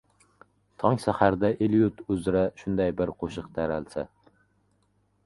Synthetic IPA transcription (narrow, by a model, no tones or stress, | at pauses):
t̪ʰɒŋsahaɾd̪aʔeljʊt̪ʰʊzɾaʃʊnd̪ajbɪɾqʰoʃɨqt̪ʰæɾalsa